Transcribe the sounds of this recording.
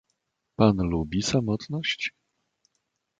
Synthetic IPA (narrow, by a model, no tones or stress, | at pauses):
panlubʲisamɔt̪nɔɕt͡ɕ